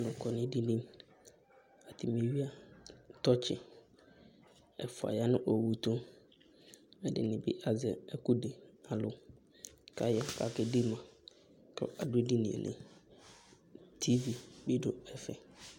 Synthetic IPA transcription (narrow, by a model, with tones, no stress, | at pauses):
nʊ̃˨kʰɔ˨nɪ̃˦di˦nĩ˦m | a˨tʰɪ˨m˨e˨˦ɥi˦a˦tɔ˦t͡ɕʰɪ̰˨ | ɛ˨fʊ˨a̰˨ja˦nʊ̃˦ʔo˨wu˨to˦ | ɛ˨dɪ̰˨nɪ̃˨bɪ̰˦ʔa˨zɛ˨ɛ˦ku˦de˨a˨lʊ˨ | ka˨ja˦ka˨kɛ˦dɪ˦mã˨ | kɛ̰˨ʔa˨dʊ˦e˦di˦nḭ̃˨ḛ̃˨nʔɪ̰̃˨ | tʰi˦vi˨bɪ˦do̰˨ɛ˨fɛ̰˨